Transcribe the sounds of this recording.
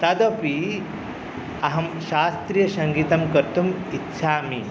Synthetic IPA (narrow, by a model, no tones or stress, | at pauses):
t̪ɐd̪ɐpi | ɐɦɐmɕaːst̪ɾijɐɕɐŋɡiːt̪ɐmkɐɾt̪um | itːɕʰaːmi